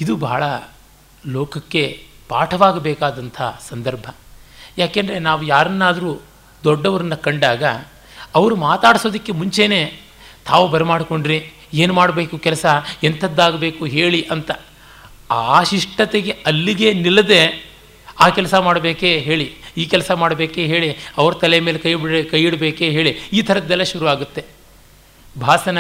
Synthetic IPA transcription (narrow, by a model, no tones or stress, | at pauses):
id̪uba̰ːɭɐ | loːkɐkːe̞paːʈʰɐʋaːɡɐbɛːkaːd̪ɐnt̪ʰɐsɐnd̪ɐɾbʱɐ | jaːkend̪ɐɾe̞naːʋujaːɾɐnːaːd̪ɐɾuː | d̪ɔɖːɐʋɐɾɐnːɐkɐɳɖaːɡɐ̰ | ɐʋɐɾumaːt̪aːɽiso̞ːd̪ɐkːe̞muɲt͡ʃe̞ːne̞ː | t̪ʰaːʋubɐɾemaːɽko̞ɳɖɾi | eːnumaːɽbe̞ːkukɛlɐsɐent̪ʰɐd̪ːaːɡɐbeːkuɦe̞ːɭiʔɐnt̪ɐ | aːʃiʂʈɐt̪eɡeɐlːiɡe̞nilːɐd̪e̞ | aːkɛlɐsɐmaːɽɐbeːkeɦe̞ːɭiiːkɛlɐsɐmaːɽbe̞ːkeɦe̞ːɭiɐʋɐɾɐt̪ɐlejɐmeːlekɐjbɽkɐjiɽbeːkeɦeːɭiiːt̪ʰɐɾɐd̪ɛlːɐʃuɾuʋaːɡut̪ːe̞ | bʱaːsɐnɐ